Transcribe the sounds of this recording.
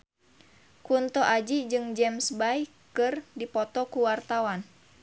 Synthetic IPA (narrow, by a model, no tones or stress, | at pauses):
kunt̪ɔʔad͡ʒid͡ʒɨŋd͡ʒɛmsbaj | kɨrdipɔt̪ɔkuwart̪awan